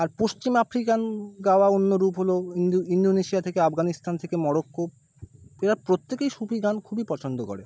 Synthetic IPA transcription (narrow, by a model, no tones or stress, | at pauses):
aɾpost͡ɕimafɾikanɡaoaonːoɾupɦoloiuind̪oneʃiat̪ʰekeafɡanist̪ant̪ʰekemɔɽokːo | eɾapɾot̪ːekejʃupiɡankʰubipɔt͡ɕʰond̪oko̰ɽḛ